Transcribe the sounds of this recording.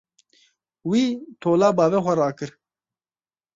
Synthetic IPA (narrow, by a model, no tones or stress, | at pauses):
wiːt̪ʰoːlaːbaːweːxɐɾaːkɨɾ